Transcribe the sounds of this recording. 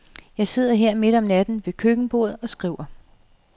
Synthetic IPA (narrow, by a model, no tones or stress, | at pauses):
jɑ̈ɪse̝ð̞̰ˠɐɦe̝ɐ̰me̝d̥ɒ̽mnæd̥n̩ʋe̝kʰøɡ̥n̩b̥o̝̰ð̞̩ˠɒ̽sɡ̥ʁiʊ̰ɐ